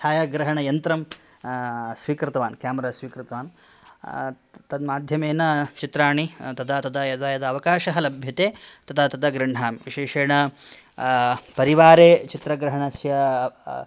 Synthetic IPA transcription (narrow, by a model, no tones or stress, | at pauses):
aːjɐɡɾɐɦɐɳɐjɐnt̪ɾɐm | sʋiːkɾɪt̪ɐʋaːnkjaːmɐɾasʋiːkɾɨt̪ɐʋaːn | t̪ɐd̪maːd̪ʱjɐmeːnɐt͡ʃit̪ɾaːɳit̪ɐd̪aːt̪ɐd̪ɐjɐd̪ɐjɐd̪ɐɐʋɐkaːʃɐɦɐlɐbʱjɐt̪eːt̪ɐd̪aːt̪ɐd̪ɐɡɾɐɳ̤aːmʋiʃeːʂeːɳɐ | pɐɾiʋaːɾeːt͡ʃit̪ɾɐɡɾɐɦɐɳɐsjɐ